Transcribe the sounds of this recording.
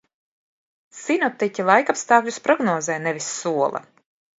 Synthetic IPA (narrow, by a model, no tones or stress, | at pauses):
sinɔp̚t̪icʲilˠajkapst̪aːklʲuspɾɔɡnɔːzɛːnɛvisːuɔlˠɐ̰